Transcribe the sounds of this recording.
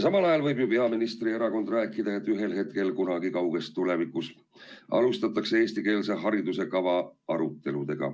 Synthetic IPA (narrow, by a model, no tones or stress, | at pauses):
sɑmɑlɑjɑlvɤjbjupe̞ɑminist̪rie̞ɾɑko̞nd̪ræːkːˑid̪̥ɑe̞t̪ːˑyɦe̞lhe̞t̪̚ke̞lkunɑɡikɑwɡ̥e̞st̪ːule̞vikus | ɑ̰lust̪ɑt̪ːˑɑkseeːst̪ike̞ːlse̞ɦɑɾid̪use̞kɑvɑɑɾut̪ːˑe̞lud̪̥eɡ̥ɑ̰